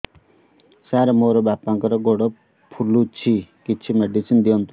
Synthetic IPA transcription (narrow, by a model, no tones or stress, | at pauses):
saɾɔmoɾɔbapːaŋkɔɾɔɡoɽɔ | pʰulːut͡ʃʰikit͡ʃʰimeɖisind̪iɔmt̪